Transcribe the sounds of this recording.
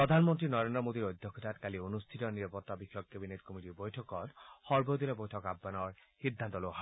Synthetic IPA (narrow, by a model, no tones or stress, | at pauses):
pɹɔd̪ʱanmɔnt̪ɹinɔɾend̪ɾɔmod̪iɾojd̪ʱːɔkʰːɔt̪atkalionust̪ʰitɔniɾapɔt̪ːabixːɔkːebinetkomitibojtʰɔkɔtxɔɹbojd̪ilebojtʰɔkabːanɔɹhid̪ʱːant̪ɔloɦa